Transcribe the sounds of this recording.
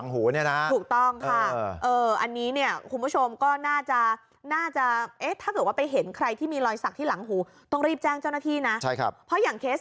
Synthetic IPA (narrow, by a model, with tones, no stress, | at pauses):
ŋɦuː˩˦ni˥˩ɐna˦˥ʔ̪ʰuː˨˩k̚t̪ɔ˥˩ŋkʰa˥˩ʔɤː˧ʔa˧nːiː˦˥ni˥˩ɐkʰu˧nbu˥˩o˧mkɔː˥˩naː˥˩t͡ɕa˨˩ | naː˥˩t͡ɕa˨˩ʔe˦˥t̪ʰaː˥˩kɤː˨˩t̪̚waː˥˩pa˧jɦe˩˦nkʰɾa˧jt̪ʰiː˥˩miː˧lɔː˧jsa˨˩k̚t̪ʰiː˥˩la˩˦ŋɦuː˩˦ | t̪ɔ˥˩ŋɾiː˥˩p̚t͡ɕɛː˥˩ŋt͡ɕa˥˩wna˥t̪ʰiː˥˩na˦˥t͡ɕʰa˥˩jkʰa̰˦˥p̚pʰɾɔ˦˥jaː˨˩ŋkʰeː˦˥s